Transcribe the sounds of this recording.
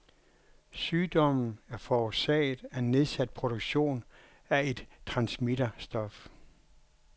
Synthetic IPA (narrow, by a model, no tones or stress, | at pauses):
syːd̥ɒ̽mn̩æɐfɒːsɛ̰ɪð̩ˠæenːe̝ðˠsæd̥̚pʰʁo̝ɾ̥oɡ̥ɕo̝̰ːn | æe̝d̥t͡sʰʁɑ̈nsmid̥ɐsd̥ɒ̽f